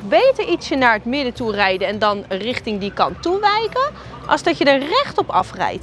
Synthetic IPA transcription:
bejtəɹitsənaːɹɦətmɪdəturɛjdəɛndɑnrɪχtɪŋdikɑ̰ntuʋɛjkən | ʔɑ̰lˠzdɑtjədəɹrɛχtɔpɑ̰frɛ̰jt

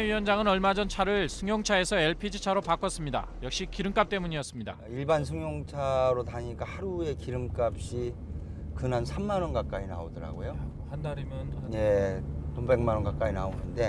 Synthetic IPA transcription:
eiwʌnd͡ʑaŋɯnʌɭmad͡ʑʌnt͡ɕʰaɾɯɭsʰɯŋjoŋt͡ɕʰae̞sʰʌe̞ɭpʰid͡ʑit͡ɕʰaɾopak͈ʌs͈ɯmɲida̰jʌk̚ɕ͈ikiɾɯmk͈ap̚t͈e̞muɲiʌs͈ɯmɲida̰iɭbansʰɯŋjoŋt͡ɕʰaɾotaɲik͈ahaɾue̞kiɾɯmk͈ap̚ɕ͈i | kɯnansʰamːanʌnkak͈aina̰odɯɾa̰ɡojo | handaɾimjʌnje̞tobe̞ŋmanʌnkak͈ainaonɯnde̞

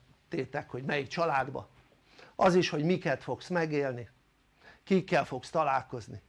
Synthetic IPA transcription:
t̪eːt̪ɛkho̞ɟmɛjik̚t͡ʃɒlaːd̪bɒ̰ | ɒziʃho̞ɟmikɛt̪fo̞ksmɛɡeːlni | kikːɛlfo̞kst̪ɒlaːlko̞zni

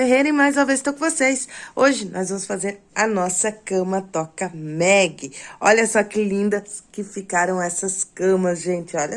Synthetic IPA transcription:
eɦeɾẽj̃majzɐ̃vezɪ̥t̪okõvosejsoʒɪnʔɔzvɐ̃mʊsfazeɾ | ɐnɔsɐkɐ̃mɐt̪ɔkɐmɛɡɪɔʎɐsɔkɪlĩnd̪ɐskɪfikaɾɐ̃w̃ɛsɐskɐ̃mɐsʒẽnt͡ʃɪɔʎɐ

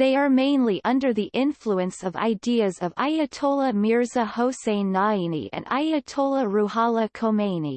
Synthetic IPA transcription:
ðeɪə˞mẽɪ̃nliʔʌ̃ndə˞ðiʔɪ̃nfluɨ̃nsʌva̰ɪdiɨzʌva̰ɪɨtʰoʊlˠəmɪɹzəhoʊsẽɪ̃nːainḭʔɨ̰̃na̰ɪɨtʰoʊlˠəɹuhɑlˠəkʰoʊmẽɪnḭ

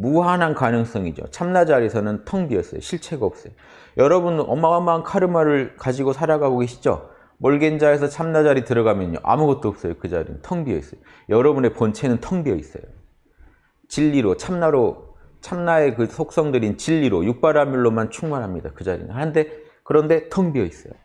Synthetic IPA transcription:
muɦanɦankanɯŋs͈ʌŋid͡ʑo̰t͡ɕʰamnad͡ʑaɾisʰʌnɯntʰʌŋbiʌs͈ʌjo̰ɕʰiɭt͡ɕʰe̞ɡaʌp̚s͈ʌjo | jʌɾʌbunʌmːaʌmːaɦnkʰaɾɯmaɾɯɭkad͡ʑiɡosʰaɾaɡaɡoɡeɕʰid͡ʑo̰ | moɭɡend͡ʑaes̬ʰʌt͡ɕʰamnad͡ʑaɾitɯɾʌɡamjʌɲːo̰ʔa̰muɡʌt̚t͈oʌp̚s͈ʌjokɯd͡ʑa̰ɾḭnɯ̰ntʰʌŋbiʌḭs͈ʌjo | jʌɾʌbune̞pont͡ɕʰe̞nɯntʰʌŋbiʌis͈ʌ̰jo | t͡ɕiʎːiɾot͡ɕʰamnaɾo | t͡ɕʰamnae̞kɯsʰok̚s͈ʌŋdɯɾint͡ɕiʎːiɾojuk̚p͈aɾamjuɭːomant͡ɕʰuŋmanɦamɲidakɯd͡ʑaɾḭn̰hande̞ | kɯɾʌnde̞tʰʌŋbiʌis͈ʌjo̰

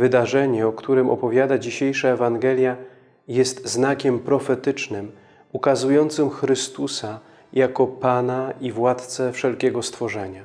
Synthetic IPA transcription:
vɘd̪aʐɛɲɛɔkt̪uɾɘmʔɔ̰pɔvʲjad̪ad͡ʑiɕejʂaɛvaŋɡɛlʲja | jɛst̪znakʲɛmpɾɔfɛt̪ɘt͡ʂnɘm | ukazujɔnt̪sɘmxɾɘst̪usa | jakɔpanaivwat̪t̪sɛfʂɛlkʲɛɡɔst̪fɔʐɛɲa

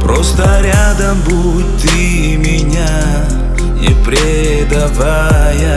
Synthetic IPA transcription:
pɾost̪əɾʲad̪ɐmbu | t̪ɨ | mʲɪnʲa | ḭpɾʲɪ | d̪ɐva | jɐ

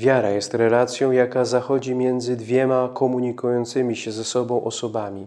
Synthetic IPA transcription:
vʲjaɾajɛst̪ɾɛlat̪sʲjɔ̃w̃jakazaxɔd͡ʑimʲjɛnd̪zɘd̪vʲjɛmakɔmuɲikujɔnt̪sɘmʲiɕɛzɛsɔbɔ̃w̃ʔɔsɔbamʲi

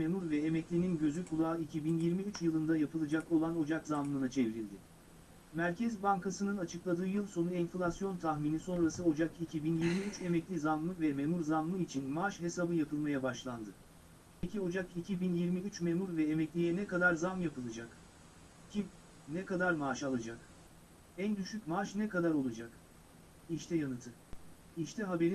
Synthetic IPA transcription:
memuɾvɛemɛclʲininɟø̞zykʰulˠaːicʰibinjiɾmiyt͡ʃjɯlˠɯnd̪ajapʰɯlˠɯd͡ʒako̞lˠano̞d͡ʒakzamlˠɯnat͡ʃʰeviɾilʲd̪ɪ | mæɾcʰɛzbaŋkʰasɯnɯnat͡ʃʰɯklˠad̪ɯːjɯlˠso̞nuɛnflʲˠasjo̞nt̪ʰaxmiːniso̞nɾasɯo̞d͡ʒakicʰibinjiɾmiyt͡ʃe̞mɛclʲizanlˠɯvɛmemuɾzanlˠɯit͡ʃʰinmaʃɦe̞sabɯjapʰɯlˠmajabaʃlˠand̪ɯ | ecʰio̞d͡ʒakicʰibinjiɾmiyt͡ʃmemuɾvɛemɛclʲijɛnɛkad̪aɾzamjapɯlˠɯd͡ʒak | cʰi | nɛkad̪aɾmaʃalˠad͡ʒak | ænd̪yʃycmaːʃnɛkad̪aɾo̞lˠad͡ʒak | iʃt̪ʰɛjanɯt̪ʰɯ | iʃt̪ʰɛɦabe̞ɾi

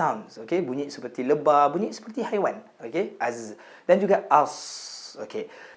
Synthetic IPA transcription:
ãwnsokebuɲiʔ̚səpət̪iləbabuɲiʔ̚sə̥pət̪ihajwãn | okeʔɛz | dɛ̃njuɡɛtasokʰe

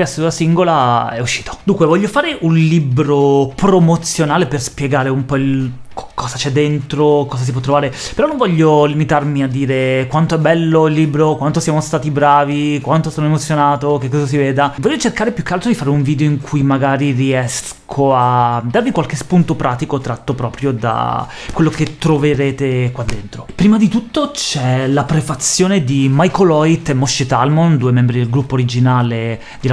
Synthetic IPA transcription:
asoasiŋɡolaɛuʃːiːt̪o̥d̪uŋkwevɔʎːofaːɾeʔunlibɾopɾomot̪sːjonaːleperspjeɡaːɾeumpɔilkʰːɔzat͡ʃɛd̪ːent̪ɾokɔːzas̬ip̬ɔt̪ːɾovaːɾepeɾɔnːõɱvɔʎːolimit̪armiad̪ːiːɾekwant̪oɛbːɛlːoilːiːbɾokwant̪osjaːmost̪aːt̪ibɾaːvikwant̪osoːnoemot̪sjonaːt̪okekːɔːzas̬iveːd̪avɔʎːot͡ʃerkaːɾepjukːalt̪ɾod̪ifaːɾeuɱviːd̪eoiŋkʰujmaɡaːɾiriɛs | kʰoad̪ːarvikwalkespunt̪opɾʔaːt̪ikot̪ɾat̪ːopɾɔːpɾjod̪a̰ | kwelːoket̪ːɾoveɾeːt̪ekwad̪ːent̪ɾopɾiːmad̪it̪ut̪ːot͡ʃɛlapɾefat̪sːjoːned̪imajkolɔjt̪ːɛmːɔʃːet̪almond̪uemɛmbɾid̪elɡɾupːoːɾid͡ʒinaːle | d̪ila

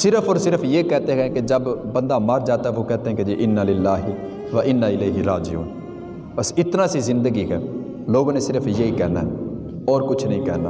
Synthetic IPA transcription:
sɪɾəpʰɔːɾsɪɾəpʰjeːkɛːt̪eɦɛ̃ɦɛ̃ːked͡ʒəbbənd̪aːməɾd͡ʒaːt̪aɛʋoːkɛːt̪eɦɛ̃ːked͡ʒiːʔɪnːaːlɪlːaːɦɪ | ʋəʔɪnːaːɪleːɦɪɾaːd͡ʒɪjṵːn | pəsɪt̪naːsiːzɪ̃nd̪əɡiːkɛ̰ː | loːɡãːnesɪɾəpʰjeiːkɛːna̰ːɦɛ | ɔːɾkʊt͡ʃʰnəɦĩːkɛ̰ːna̰ː

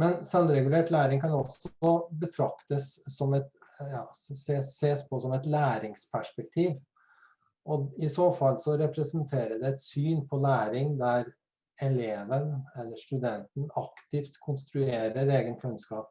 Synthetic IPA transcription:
mɛnsɑnɾɛɡʉleːʈlæːɾɪŋkɑnɔsɔbət̪ʰɾɑkt̪əsːɔmɛt̪ | jɑːseːeːspʰɔsɔmɛt̪læːɾɪŋspʰæʂpɛkt̪ʰiːʋ | ʔɔɪsoːfɑlːsɔɾɛpɾɛsənt̪ʰeːɾəd̪ɛɛt̪syːnpʰɔlæːɾɪŋd̪æɾ | ɛleːʋənɛlːəʂʈʉd̪ɛnt̪n̩ɑkt̪ɪft̪kʰʊnst̪ɾʉeːɾəɾeːɡənkʰʉnskɑːp

